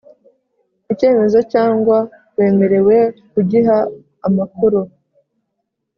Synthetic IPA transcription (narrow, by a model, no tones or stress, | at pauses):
ice̞ːme̞zo̞caːŋɡwa | we̞ːme̞ɾe̞we̞kuɟiɦaː | makuɾu